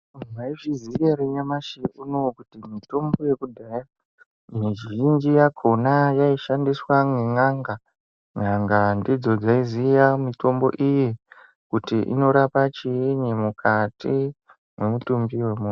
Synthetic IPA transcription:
uaiʐiziʋeɾeɲamaʃeʔuno̞kutimito̞mbo̞je̞kudʱaja | miʒind͡ʒijakʰo̞najaiʃandiswamweŋaŋɡa | ŋaŋɡandid͡zo̞d͡zaizijamito̞mbo̞̰ʔije | kutiʔḭno̞ɾapat͡ʃieɲemukʰati | memutumbiwe̞mun

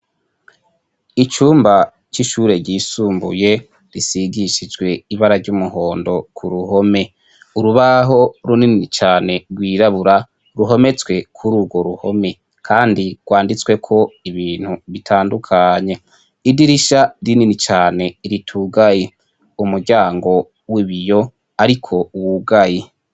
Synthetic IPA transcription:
it͡ʃuːmba | t͡ʃiʃuːɾe̞ɾɟiːsuːmbṵje̞ | ɾisiɡiʃid͡ʒɡwe̞iβaɾaɾɟumuɦo̞ːndo̞kʰuɾuɦo̞me̞ | uɾuβaɦo̞ɾunininit͡ʃaːne̞ɾɡwiːɾaβuɾa | ɾuɦo̞me̞t͡swe̞kʰuɾuːɡwo̞ɾuho̞̰me̞ | kʰaːndiɡ̥waːndit͡swe̞kʰo̞iβiːn̥huβitʰaːndukʰaɲe̞ | idiɾiʃaɾininit͡ʃaːne̞iɾitʰuɡaje | umuɾɟaːŋɡo̞ | wiβijo̞ | aɾikʰo̞uwuɡaje

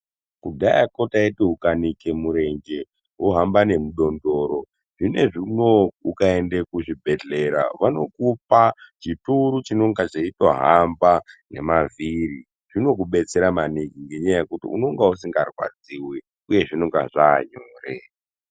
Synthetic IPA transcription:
kuɡʱajako̞taetiɦukanikemuɾe̞ŋd͡ʒe̞ | ɦuɦambane̞muɗo̞ndo̞ːɾo̞ | ʐine̞ʐino̞ukaendekuʐibʱe̞ɮe̞ɾa̰ʋano̞kup̚at͡ʃituɾut͡ʃino̞ŋɡat͡ʃeitoɦambane̞̰maviɾi | ʐ̥ino̞k̬uɓe̞t͡se̞ɾamanikiŋɡe̞ɲajajekutḭṵno̞ŋɡausiŋɡarwa̰d͡ziwi | uje̞ʐinoŋɡa̰ʐaːɲoːrḛ

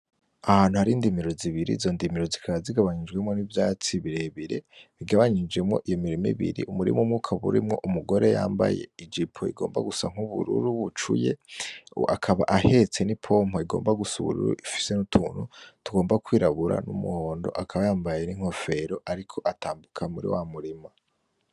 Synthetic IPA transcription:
ahaːn̤̥uhaɾindimiɾoziβiɾḭːzo̞ndimiɾozikʰaβaziɡaβaɲid͡ʒɡwemŋo̞nivjaːt͡siβiɾeβiɾḛβiɡaβaɲid͡ʒɡe̞mŋo̞̰ʔijomiɾimḭβḭɾḭʔumuɾḭmumŋukʰaβṵɾimŋo̞ʔumuɡo̞ɾe̞ja̰ːmba̰jḛid͡ʒipʰoḭɡo̞̰ːmba̰ɡusaŋ̥huβṵɾṵɾuβut͡ʃṵje̞ | akʰaβaʔahe̞t͡se̞nipʰo̞m̥hoiɡo̞̰ːmbaɡusṵβṵɾṵɾṵʔifi̥se̞nutʰuːn̥hutuɡo̞ːmbakwiːɾaβuɾa̰nṵmuhoːndo̞̰ʔakʰaβajaːmbajeniŋ̥ho̞fe̞ɾo̞ʔaɾikʰo̞ʔataːmbukʰamuɾḭwamuɾima

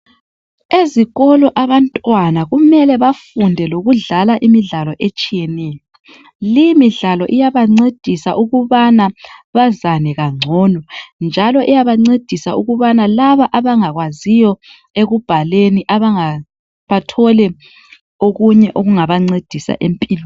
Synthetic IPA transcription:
eziɣɔlɔʔaβantʼwanaɣumɛlɛβafundʱɛloɣuɮalaʔimiɮalɔʔet͡ʃʼijɛnɛːjɔ | lijimiɮalɔʔijaβaŋ͡ǀed̥ʱisaʔuɣuβanaβazanɛɣaŋ͡ǀʱɔːnɔnd͡ʒʱalɔʔijaβaŋ͡ǀed̥ʱisauɣuβanalaβaʔaβaŋaɣwazijɔ | eɣub̥ʱaleniʔaβaŋa | βatʰɔlɛ | oɣuɲɛʔoɣuŋaβaŋ͡ǀed̥ʱisa̰ʔempʼiːlɔ

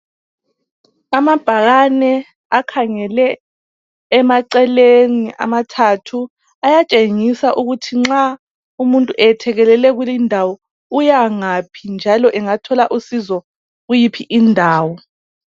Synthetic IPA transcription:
amab̥ʱaɣanɛ | akʰaŋɛlɛː | maǀɛleniʔa̰matʰatʰu | ajat͡ʃʼeŋisaʔuɣutʰiŋ͡ǁa | umuntʼuʔɛtʰɛɣɛlɛlɛɣulindʱawɔ | ujaŋapʰind͡ʒʱalɔʔɛŋatʰɔlaʔusizɔ | ɣujipʰiʔindʱaːwɔ

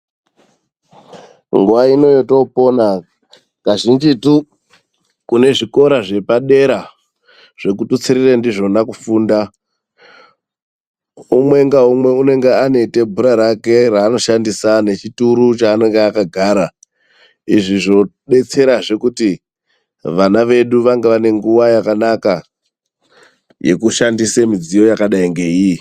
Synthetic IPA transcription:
ŋɡuʋaino̞joto̞po̞na | kaʒind͡ʒitu | kune̞ʐiko̞ɾaʐe̞paɗe̞ɾa | ʐ̥e̞kutut͡siɾirendiʐo̞nakufuːnda | umwe̞ŋɡaumwe̞une̞ŋɡeane̞ite̞bʱuɾaɾake̞ɾaːno̞ʃandisane̞t͡ʃituɾut͡ʃaːne̞ŋɡeakaɡʱaːɾa | iʐiʐo̞ɓe̞t͡se̞ɾaʐe̞kuti | ʋanaʋe̞ɗuʋaŋɡeʋane̞ŋɡuʋajakanaka | je̞̰kuʃandisemid͡zijo̞jakaɗaiŋɡe̞iji

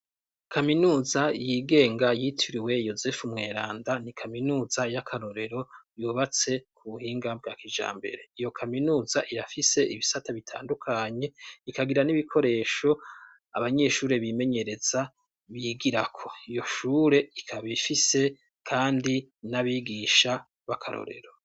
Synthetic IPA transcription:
kʰaminuːzajiɡe̞ːŋɡajiːtʰuɾiwe̞jo̞ze̞fumŋe̞ːɾaːndanikʰaminuːzajakʰaɾo̞ɾe̞ɾo̞juːβat͡se̞kuβuhiːŋɡab̚ɡakid͡ʒa̰ːmbe̞̰ɾe̞ijo̞kʰaminuːzaʔiɾafise̞iβisataβitʰa̰ːndukʰaɲe̞ikaɡiɾaniβikʰo̞ɾe̞ːʃo̞ | a̰βaɲe̞ːʃuːɾe̞βime̞ɲe̞ɾe̞za | βiɡiɾakʰoijo̞ʃuːɾe̞ikʰaβifise̞ | kʰaːndinaβiɡiʃa | βakʰaɾo̰ɾe̞̰ɾo̞

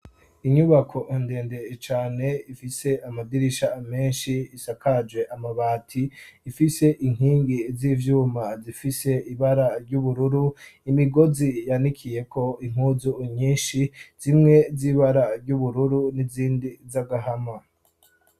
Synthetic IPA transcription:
iɲuβakʰo̞ʔende̞ːnde̞t͡ʃaːne̞ifise̞ʔamadiɾiʃame̞ːnʃiisakad͡ʒwe̞ʔamaβaːtʰiːfise̞ʔiŋ̥hiːŋɡiziːvjuːmazifise̞iβaɾaɾɟuβuɾuɾuimiɡo̞zijanikʰije̞kʰo̞iŋ̥huzuɲiːnʃiz̥imŋe̞ziːβaɾaɾɟuβuɾuɾuniziːndizaɡaɦama

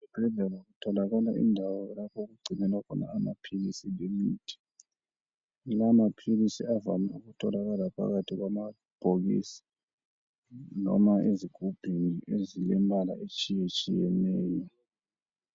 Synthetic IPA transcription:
βɛb̥ʱɛɮɛlaɣutʰɔlaɣala̰ḭndʱawɔɛlapʰɔɣuɡ͡ǀʱinɛlakʰɔna̰ːmapʰilisilemiːtʰi̥ | laːmapʰilisiava̰mauɣutʰɔlaɣalapʰa̰ɣatʰiɣwama | b̥ʱoɣḭsi̥ | nɔ̰maʔeziɡ̥ʱub̥ʱiŋiʔezilɛmbʱala̰ʔet͡ʃʼijet͡ʃʼijɛnɛːjɔ

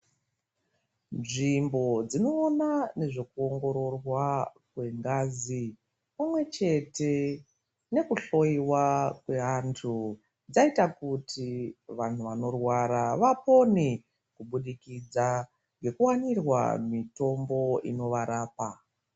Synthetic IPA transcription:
nʐimbo̞d͡zino̞ːnane̞ʐe̞kuoŋɡo̞ɾo̞rwakwe̞ŋɡaːzi | pamwe̞t͡ʃe̞te̞ | ne̞kuɬo̞iwakwe̞antʰu | d͡zaitakutʰiʋan̤uʋano̞rwaɾaʋapo̞ni | kuɓuɗikid͡za | ŋɡe̞kuwanirwa̰mito̞mbo̞ḭno̞ʋaɾaːpa

